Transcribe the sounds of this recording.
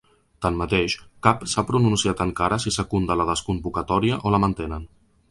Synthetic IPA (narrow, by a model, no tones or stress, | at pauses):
t̪anmmət̪eʃkapsapɾununsiat̪əŋkaɾəsisəkund̪ələðəskumbukət̪ɔɾiəʔoləmənt̪enən